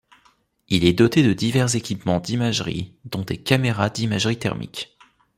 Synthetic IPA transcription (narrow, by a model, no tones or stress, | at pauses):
ilɛd̪ɔt̪ed̪əd̪ivɛʁzekʲipmɑ̃d̪imaʒʁḭd̪ɔ̃d̪ekameʁad̪imaʒʁit̪ɛ̰ʁmʔḭk